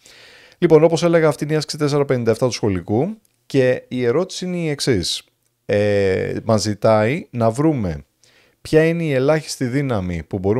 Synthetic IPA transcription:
lipo̞no̞po̞se̞le̞ɣɐːft̪ineɐsksit̪e̞s̬e̞ɾɐpe̞nind̪ɐeft̪ɐt̪u̥sxo̞liku | ce̞ie̞ɾo̞t̪i̥siineie̞ksis | emɐzit̪ɐinɐvɾume̞̰ | pçɐine̞ie̞lɐçi̥st̪iðinɐmipubo̞ɾu

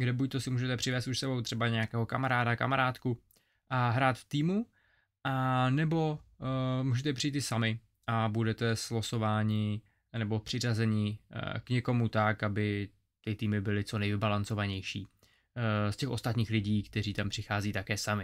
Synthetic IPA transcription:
ɡdɛbuc̚t̪osɪmuːʒɛt̪ɛpr̝̥ɪvɛːst̪uʃsɛbo̞wt̪r̝̥ɛbaɲɛjakɛːɦo̞kamaɾaːdaka̰maɾaːt̪ku | ʔaɦɾaːt̪ft̪iːmu | ʔanɛbo̞ | muːʒɛt̪ɛpr̥ijit̪ɪsamɪ | ʔabudɛt̪ɛsloso̞vaːɲɪ | nɛbo̞pr̥ɪrazɛɲɪkɲɛko̞mut̪akabɪ | t̪ɪt̪iːmɪbɪlɪt͡so̞nɛjvɪbalant͡so̞vaɲɛjʃḭː | scɛxʔo̞st̪at̪ɲiːxlɪɟiːkt̪ɛr̝iːt̪ampr̥ɪxaːziːt̪akɛːsamɪ

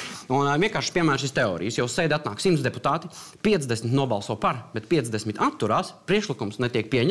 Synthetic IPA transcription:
unviɛŋkaːɾʃpiɛmæːɾʃist̪ɛɔ̰ːɾḭjsjɛwssɛjd̪ʲat̪naːksimt̪d̪pu̥t̪aːt̪i | piɛt̪zd̪ɛsmit̪nuɔbalˠsuɔːpaɾbɛt̪piɛt̪zd̪ɛsmit̪at̪ːuɾaːspɾiɛkʃlikumsnɛt̪iɛk̚piɛɲ

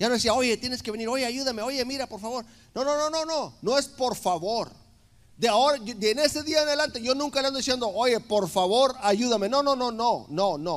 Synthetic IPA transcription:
ʝanoðesiao̞ʝe̞t̪je̞neskeβe̞niɾo̞ʝe̞aʝuðameoʝe̞miɾapo̞ɾfaβo̞ɾ | no̞no̞no̞no̞no̞no̞espo̞ɾfaβo̞ɾ | d̪eaoɾad̪ene̞se̞ðiaenaðelant̪eʝo̞nũŋkaleand̪oisjend̪o̞ʔoʝe̞po̞ɾfaβo̞ɾaʝuðame̞no̞no̞no̞no̞no̞no

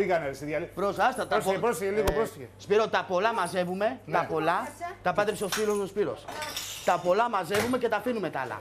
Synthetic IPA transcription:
iɣɐnɐɾisiðjɐlipɾosɐst̪ɐt̪ɐoepɾosiçeliɣopɾosiçespiɾot̪ɐpo̞lɐmɐze̞vume̞t̪ɐpo̞lɐt̪ɐpɐt̪epseo̞spiɾo̞sospiɾo̞̰st̪ɐpo̞lɐmɐze̞vume̞ce̞t̪ɐfinume̞t̪ɐ̰lɐ̰

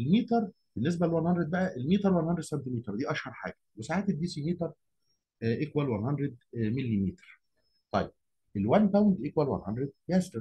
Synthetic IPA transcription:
elmiːt̪ɑɾˤ | b̥enːes̬bælelwænhɑndɾed̪bæʔæʔelmiːt̪ɑɾˤwænhɑnd̪ɾed̪sænt̪imiːt̪ɑɾˤd̪iːʔɑʃhɑɾˤħa̰ːɡ̥æwesaʕaːt̪ed̪d̪iːsimiːt̪ɑɾˤ | ʔekwælwænhɑnd̪ɾed̪̚melːimiːt̪ɾ | t̪ˤɑjːeb̥̚ | ʔelwænpæwnd̪ʔekwælwæ̰nhɑndɾed̪̚jæst̪eɾ

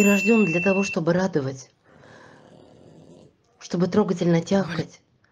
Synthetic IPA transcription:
ɪɾɐʐdʲo̞md̪lʲɐt̪ɐvo̞ʂt̪o̞bɨɾad̪əvətʲ | ʂt̪o̞bɨt̪ɾo̞ɡətʲɪlʲnətʲaxkətʲ

